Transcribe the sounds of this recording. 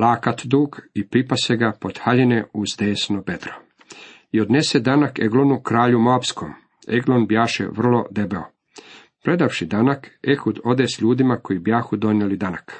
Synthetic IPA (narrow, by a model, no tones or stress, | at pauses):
laːkat̪d̪uːɡipɾipaseɡapo̞d̪̥xaʎineuzd̪eːsnobed̪ɾo | io̞d̪ne̞sed̪anakeɡlonukɾaːʎumoapsko̰m | ḛɡlonbjaːʃḛʋr̩lo̞d̪e̞beo̰ | pɾe̞d̪afʃid̪anakexud̪o̞d̪esʎuːd̪imako̞jibjaːxud̪o̞nelid̪anak